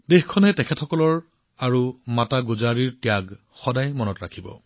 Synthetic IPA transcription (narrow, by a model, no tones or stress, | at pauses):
dexkʰɔnɛtɛkʰɛtʰɔkɔlɔɹ | aɹumataɡuzaɹiɹtijaɡ | xɔdajmɔnɔtɹakʰibɔ̰